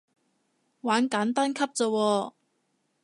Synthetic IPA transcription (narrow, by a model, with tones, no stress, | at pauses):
waː˨˥nkaː˨˥nt̪aː˥nkʰɐ˥p̚t͡sɔː˧wɔː˧